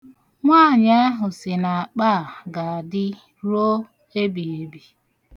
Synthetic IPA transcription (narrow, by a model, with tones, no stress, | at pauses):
ŋʷa˦˨ɲa˦a˦ɦʊ˨sɪ˨na˨a˨k͡paː˦˨ɡa˨a˨dɪ˦ | ɾo˦ | e˦bi˨e˨bi˨